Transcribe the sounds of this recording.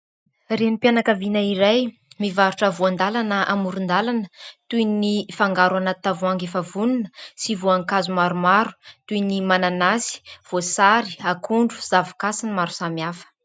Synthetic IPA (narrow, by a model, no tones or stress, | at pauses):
renipjanakavinaiɾaj | mivaɾuʈ͡ʂəvuand̪alanəʔamuɾund̪alanət̪ujnifaŋɡaɾuanat̪ːavuaŋɡefəvununə̥sivuaŋkazumaɾumaɾu̥t̪uinimananasi̥v̥osaɾi̥akʰuɳɖ͡ʐuz̥avikasinimaɾu̥samiafə̥